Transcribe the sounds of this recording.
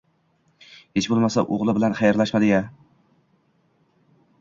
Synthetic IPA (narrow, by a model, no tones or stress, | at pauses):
het͡ʃbolˠmasaʔoʁlˠɪbɪlanχɑjaɾlaʃmad̪ɪja